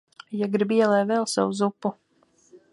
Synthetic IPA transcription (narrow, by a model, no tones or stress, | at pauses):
jaɡɾibiɛlˠɛːvɛlˠsa̰wuzupːu